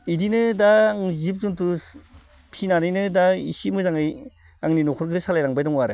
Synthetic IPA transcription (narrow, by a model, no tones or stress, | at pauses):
idinɯdaːŋzip̚zuntu | pʰinanɯjnɯdaḭsimɯzaŋɯj | aŋninɔkʰɔɾɡɯsalajɾaŋbajdɔŋwaɾɯ̰